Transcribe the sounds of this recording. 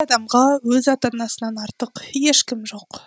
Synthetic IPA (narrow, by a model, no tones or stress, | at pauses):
ɑd̪ɑmʁɑwɵzɑt̪ɑnɑsənɑnɑɾt̪əqje̞ʃkʲɪmʒo̞q